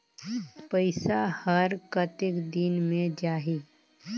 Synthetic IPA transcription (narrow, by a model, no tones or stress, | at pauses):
pəɪsahəɾkət̪ɪkd̪inmẽd͡ʒaːɦi